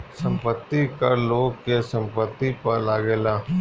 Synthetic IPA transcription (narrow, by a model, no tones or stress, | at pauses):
sə̃mpət̪ːikəɾloːɡ̚kesə̃mpət̪ːipəɾlaːɡeːlãː